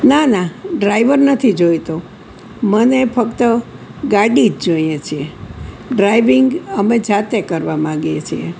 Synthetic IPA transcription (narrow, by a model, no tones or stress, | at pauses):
nanaɖɾajʋəɾnət̪ʰid͡ʒojt̪o | mənefʰəkt̪ə | ɡaɽid͡ʒd͡ʒojjet͡ʃʰie | ɖɾaiʋiŋɡəmed͡ʒat̪ekəɾʋamãɡiet͡ʃʰḭḛ